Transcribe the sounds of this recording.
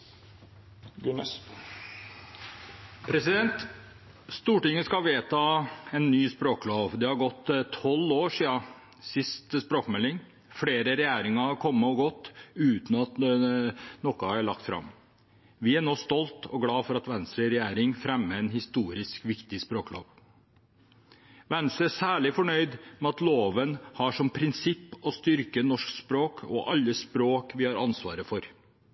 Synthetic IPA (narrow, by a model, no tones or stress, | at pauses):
pʰɾɛsɪd̪ɛnt̪ | st̪uːʈɪŋːəskɑʋeːt̪ʰɑːɛnːyːspɾoːkloːʋd̪ɛhɑɾɡɔt̪ːt̪ʰɔloːʂiːɑ | sɪst̪spɾoːkmɛlːɪŋ | fɽeːɾəɾɛjæːɾɪŋɑhɑɾkʰɔmːəɔɡɔt̪ːʉːt̪n̩ɑt̪ | nɔkːɑæɭɑ̰k̚t̪fɾɑ̰m | ʋɪæɳoːst̪ɔlt̪ʰɔɡɽɑːfɔɾɑt̪ʋɛnst̪ɾəɾɛjæːɾɪŋfɾɛmːəɛnhɪst̪uːɾɪskʋɪkt̪ɪspɾoːklo̰ːʋ | ʋɛnsəæsæːɭɪfɔɳœʏd̪mɛɑt̪loːʋənhɑʂɔmpʰɾɪnsɪpːɔst̪ʏɾkənɔʂkspɾoːkʰɔ̰ʔɑlːəspɾoːkʋɪhɑɾɑnsʋɑːɾəfɔɾ